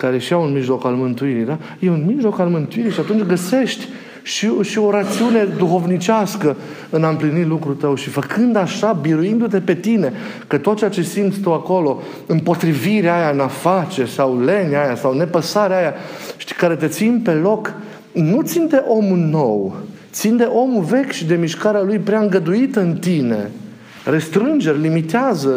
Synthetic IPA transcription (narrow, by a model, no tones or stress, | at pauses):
kaɾe̞ʃiaunmiʒlo̞kalmɨnt̪uiɾid̪a | jeunmiʒlo̞kalmɨnt̪uiɾiʃiat̪unt͡ʃʲɡəse̞ʃt̪ʲ | ʃiʃio̞ɾat̪siune̞d̪uxo̞vnit͡ʃaskə | ɨnaɨmplinit̪lukɾut̪əwʃifəkʰɨnd̪aʃabiɾuind̪ut̪e̞pe̞t̪ine̞ | kət̪ot̪̚t͡ʃeat͡ʃe̞simt̪sʲt̪əwako̞lo̞ | ɨmpo̞t̪ɾiviɾeaajaɨnafat͡ʃe̞sawle̞neajasawne̞pəsaɾeajaʃt̪i̥kaɾe̞t̪e̞t̪sinpe̞lo̞k | nut̪sind̪e̞ʔo̞muno̞wt̪sind̪e̞ʔo̞muve̞kʲʃid̪e̞miʃkaɾealujpɾeaɨŋɡəd̪uit̪əɨnt̪ine̞̰ | re̞st̪ɾɨnd͡ʒe̞rʲlimit̪eazə